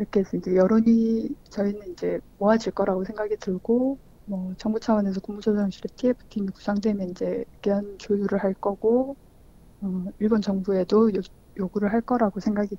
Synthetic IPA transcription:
iɾʌkʰe̞sʰʌind͡ʑe̞jʌɾoɲit͡ɕʌinɯnind͡ʑe̞moad͡ʑiɭk͈ʌɾaɡosʰeŋɡaɡitɯɭɡo | mʌt͡ɕʌŋbut͡ɕʰawʌne̞s̬ʰʌkuŋbud͡ʑʰʌsʰʌŋɕʰiɾetʰiepʰɯ̥tʰimiku̥sʰaŋdwemjʌnind͡ʑe̞kjʌnt͡ɕojuɾɯɭhaɭk͈ʌɡ̥o | ʌiɭbont͡ɕʌŋbue̞doo | joɡuɾɯɭɦaɭk͈ʌɾaɡosʰe̞ŋɡaɡi

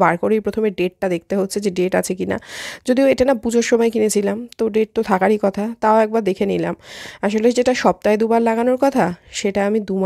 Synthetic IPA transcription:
baɾkoɾejpɾot̪ʰomeɖeʈ̚ʈad̪ek̚ʰt̪eɦotːɕʰed͡ʑeɖeʈa̰t͡ɕʰekina̰d͡ʑod̪ioeʈanapud͡ʑʱoɾʃɔmajkinet͡ɕʰilamt̪oɖeʈ̚t̪ot̪ʰakaɾikɔt̪ʰat̪aoɛk̚baɾd̪ekʰenila̰maʃoled͡ʑeʈaʃɔb̚t̪aed̪ubaɾlaɡanoɾkɔt̪ʰaʃeʈaamid̪um

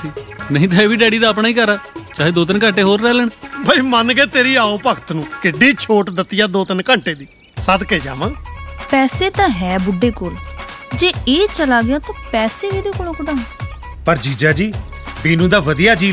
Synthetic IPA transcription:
iːnəĩːt̪aːeːbiːɖɛːɽiːd̪aːəp̬ɽaːiːkəɾaːt͡ʃaːɦeːd̪oːt̪ənkə̃ːɳʈeːɦoːɾːɛːləɳbʱəiːmənɡeːt̪eːɾiːaːoːpəkət̪nũːkɪɖiːt͡ʃʰoːʈd̪ət̪ɪjaːd̪oːt̪ənkə̃ɳʈeːd̪iː | səd̪keːd͡ʒa̰ːʋãːpɛːseːt̪ãːɦɛːbʊɖeːkoːld͡ʒeːeːt͡ʃəlaːɡɪjaːt̪ãːpɛːseːked̪eːkʊl̃õkʊɖãː | pəɾd͡ʒiːd͡ʒaːd͡ʒiː | biːnũːd̪aːʋəd̪ɪjaːd͡ʒiː

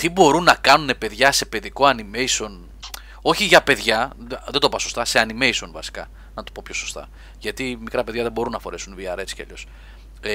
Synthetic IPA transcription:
t̪ibo̞ɾunːɐkɐnune̞pe̞ðʝɐse̞pe̞ðiko̞ɐnime̞iso̞n | o̞çiʝɐpe̞ðʝɐðe̞nd̪o̞pɐsost̪ɐse̞ɐnime̞iso̞nvɐ̰si̥kɐ̰ | nɐt̪u̥po̞pço̞so̞st̪ɐ̰ | ʝɐt̪imikɾɐpe̞ðʝɐðe̞bo̞ɾunːɐfo̞ɾesunviɐɾet͡si̥cɐ̰ʎos

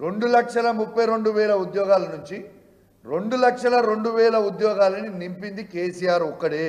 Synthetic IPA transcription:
ɾe̞ɳɖulɐkʂɐlɐmupːɐjɾo̞ɳɖuʋɛːlɐud̪jɔːɡaːlɐnuɲt͡ʃi | ɾe̞ɳɖulɐkʂɐlɐɾo̞ɳɖuʋɛːlɐud̪jɔːɡaːlɐninimpind̪ikeːsijaːɾɔkːɐɽeː

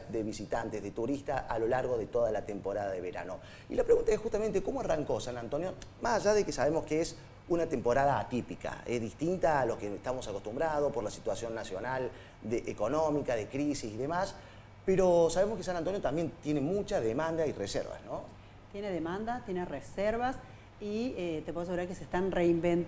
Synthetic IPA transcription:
d̪e̞βisit̪ant̪ezðet̪uɾist̪aʔalo̞laɾɣo̞ðet̪o̞ðalat̪empo̞ɾaðaðe̞β̞eɾa̰no̞ | ḭlapɾeɣũnt̪aesxust̪amẽnt̪eko̞moaraŋko̞sanant̪o̞njo̞masaʒaðekesaβemo̞skees | unat̪empoɾaðaːt̪ipika̰ezðiht̪int̪aːlokeest̪amo̞sako̞st̪umbɾað̞ospoɾlasi̥t̪wasjo̞nːasjo̞nal | d̪eʔːko̞no̞mikaðekɾisisiðe̞mas | peɾosaβemoskes̬anãnt̪o̞njot̪ambje̞nt̪jenemut͡ʃaðemãnd̪airesḛɾβa̰zno | t̪jeneðemãnd̪at̪jenereseɾβas | iet̪epwoos̬eɣuɾaɾkesest̪anreimben

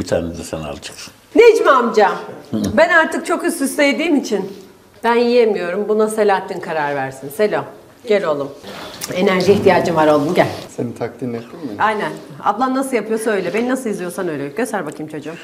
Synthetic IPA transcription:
bit̪ʰa̰ːnɛd̪ɛsɛ̰na̰lt͡ʃ̪ʰɯ̥ksɯ̥nned͡ʒimamd͡ʒabænaɾt̪ʰɯk̚t͡ʃʰo̞kyzːysejd̪iːmit͡ʃʰin | b̥ænjijemijo̞ɾumbunase̞lʲaːt̪ʰːinkʰaɾaɾvæɾsinse̞lʲo | ɟelʲo̞lˠume̞næɾʒiːçt̪ʰijaːd͡ʒɯmvaɾo̞lˠd̪unɟælʲsenit̪ʰak̚linet̪ʰːimmiajnæna̰d̪lˠamnasɯjapʰɯjosø̞jlʲɛbe̞ninasɯjizijoɾsanø̞jlʲeiɟøst̪æɾbakʰɯjmt͡ʃʰo̞d͡ʒuum

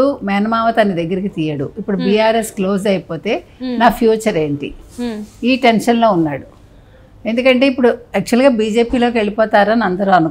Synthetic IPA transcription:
umɛːnɐmaːʋɐt̪ɐnːid̪ɐɡːɐɾikit̪ijɐɽṵipːuɽubiːaːɾe̞sklo̞ːsɐjipo̞ːt̪e̞ːnaːpʰjuːt͡ʃɐɾe̞ːɳʈḭ | iːʈe̞nʃɐnlo̞ːunːaːɽu | e̞nd̪ukɐɳʈe̞ːipːuɽuɛk̚t͡ʃuɐlɡaːbiːd͡ʒe̞ːpiːlo̞ːk̬e̞ɭipɔːt̪aːɾaːnɐnd̪ɐɾuɐnu

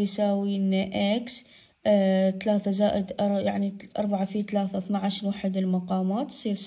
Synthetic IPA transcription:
jsaːwiːnʔaks | t̪alaːθazaːʔɪd̪ʔˤjaʕniʔɑ̰ɾˤbaʕafiːt̪alaːθaθnaʕaʃɾwaːħɪd̪ɪlmaqɑːmaːt̪sˤiːɾs

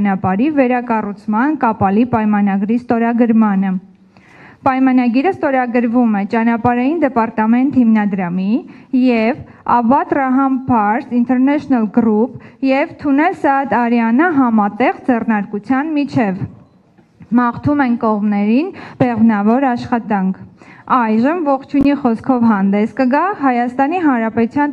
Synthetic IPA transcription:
nɑpɑɾivɛɾɑkɑrut͡sʰmɑnkɑpɑlipɑjmɑnɑɡɾist̪ɔɾɑɡəɾmɑnə | pɑjmɑnɑɡiɾəst̪ɔɾɑɡəɾvumɛt͡ʃɑnɑpɑɾɑjind̪ɛpɑɾt̪ɑmɛnt̪himnɑd̪ɾɑmijɛv | ɑvɑt̪rɑɦɑmpʰɑɾsint̪ʰɛɾnɛʃɔnəlɡɾupjɛvt̪ʰunɛlsɑɑt̪ɑɾjɑnəɦɑmɑt̪ɛʁd͡zɛrnɑɾkut͡sʰjɑnmit͡ʃʰɛv | mɑχt̪ʰumɛnkɔʁmnɛɾinb̥ɛʁvnɑvɔɾɑʃχɑt̪ɑŋkʰɑjʒəmvɔχt͡ʃʰuniχɔskʰɔvɦɑnd̪ɛskəɡɑɦɑjɑst̪ɑniɦɑnɾɑpɛt̪ut͡sʰjɑn

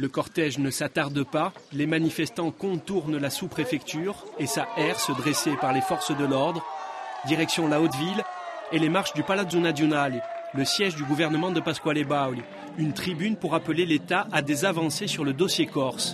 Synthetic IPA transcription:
ləkɔʁt̪ɛʒnəsat̪aʁd̪əpalemanifɛst̪ɑ̃kɔ̃t̪uʁnlasupχefɛkt̪yʁesaʔɛʁsəd̪ʁesepaʁlefɔʁsd̪əlɔʁd̪ʁd̪iʁɛksjɔ̃laot̪vilelemaʁʃd̪ypalad̪zũnad̪jɔnalːəsjɛʒd̪yɡuvɛʁnəmɑ̃d̪əpaskwalebawl | ynt̪χibynpuʁapəlelet̪aʔad̪ezavɑ̃sesyʁləd̪ɔsjekɔʁs

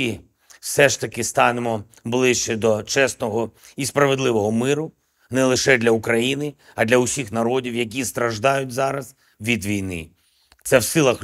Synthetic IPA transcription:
i | wsɛʃt̪ɐkɪst̪ɑnemɔ | blˠɪʃt͡ʃɛd̪ɔt͡ʃɛst̪nɔɦɔ | ispɾɐʋed̪lˠɪʋɔɦɔmɪɾʊ | nɛlˠɪʃɛd̪ʲlʲɐukɾɐjinɪ | ɐd̪lʲɐʊsʲixnɐɾɔdʲiwjɐk̬ʲist̪ɾɐʒd̪ɑjʊt̚ʲzɑɾɐz̥ | ʋʲid̪ʋʲijnɪ̰ | t̪sɛwsɪlˠɐx

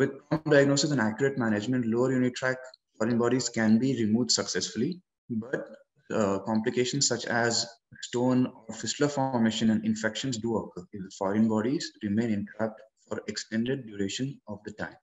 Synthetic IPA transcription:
ʋɪd̪̚kɔːmənɖaɪɡ̚noːsɪsɛ̃nækjʊɾeʈmæːñed͡ʒmɛ̃ɳʈloːəɾjuːnɪʈʈɾækfɔːɾə̃nbɔːɖizkæ̃nbiːɾɪmuːʋɖsɐksɛsfʊli | bɐʈ̚ | kɔ̃ːmplɪkeːʃə̃nssʌt͡ʃɛzsʈõːnɔːɾfɪsʈləfɔɾmeːʃə̃nɛ̃ɳɖɪ̃nfɛkʃə̃nsɖuəkɪfɔːɾə̃nbɔːɖizɾɪmẽːnɪ̃npɾæp̚ʈfɔːɾeksʈɛ̃ɳɖeɖ̚ɖjuːɾeːʃə̃nɔʋd̪əʈã̰ɪ̃m

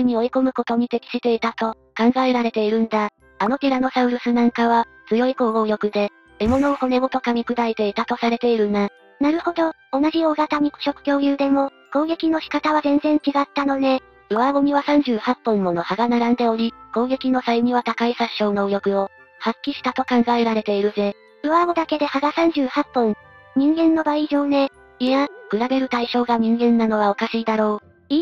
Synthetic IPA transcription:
ɯɲ̟io̞iko̞mɯ̟ko̞t̪o̞ɲ̟it̪e̞kʲi̥ɕit̪e̞it̪at̪o̞ | kãŋɡaeɾaɾe̞t̪e̞iɾɯ̟̃nd̪aː | no̞tʲiɾano̞saɯ̟ɾɯ̟sɨnãŋkaβ̞a | t͡sɨjo̞iko̞ːɡo̞ːjo̞kɯ̟d̪e̞ | emo̞no̞ːho̞ne̞ɡot̪o̞kamʲikɯ̟d̪aet̪e̞it̪at̪o̞saɾe̞t̪e̞iɾɯ̟nd̪a | naɾɯ̟ho̞d̪o̞ːnaʑio̞ːɡat̪aɲ̟i̥ɕo̞kɯ̟̥kʲo̞ːjɯ̟ːd̪e̞mo̞ | ko̞ːɡe̞kʲino̞ɕi̥kat̪aβazẽ̞nzẽ̞ɲ̟t͡ɕiɡat̪ːano̞d̪e̞ | ɯ̟βaɡo̞m̟ʲiβasãɲ̟d͡ʑɨːhapːõmːo̞no̞haɡanaɾãnd̪e̞o̞ɾʲiko̞ːɡe̞kʲino̞saimʲiβat̪akaisaɕo̞ːno̞ɯ̟jo̞kɯ̟o̞ | hakʲːiɕi̥t̪at̪o̞kãŋɡaeɾaɾe̞t̪e̞iɾɯ̟ze̞ | ɯ̟βaɡod̪ake̞d̪e̞haɡasãɲ̟d͡ʑɨːhapːõŋ | ɲ̟ĩŋɡẽ̞nːo̞baiʑo̞ːne̞ | iakɯ̟ɾabe̞ɾɯ̟t̪aiɕo̞ːɡaɲ̟ĩŋɡẽ̞nːano̞β̞ao̞kaɕiːd̪aɾo̞ː | i

